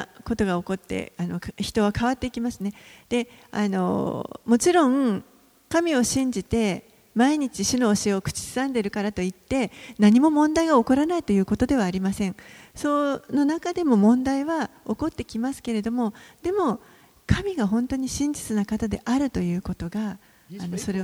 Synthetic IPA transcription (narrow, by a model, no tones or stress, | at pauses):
ko̞t̪o̞ɡao̞ko̞t̪ːe̞̰ano̞kçi̥t̪o̞β̞akaβat̪ːe̞ikʲimasɨne̞d̪̥e̞a̰no̰mo̞t͡ɕiɾõ̞ŋ | kamʲio̞ɕĩɲ̟d͡ʑit̪e̞ | maiɲ̟it͡ɕiɕɨno̞ːɕieokɯ̟̥t͡ɕi̥sɨ̥sãnd̪e̞ɾɯ̟kaɾat̪o̞it̪ːe̞naɲ̟imo̞mõ̞nd̪aiɡaoko̞ɾanait̪o̞jɯ̟ːko̞t̪o̞d̪e̞β̞aːɾʲimasẽ̞ɴso̞no̞nakad̪e̞mo̞mõ̞nd̪aiβao̞ko̞t̪ːe̞kʲimasɨ̥ke̞ɾe̞d̪o̞mo̞d̪̥e̞mo̞ | kʰamʲiɡaɦõ̞nt̪o̞ɲ̟iɕĩɲ̟d͡ʑi̥t͡sɨnakat̪ad̪e̞ʔaɾɯ̟t̪o̞jɯ̟ːko̞t̪o̞ɡaː | no̞so̞ɾe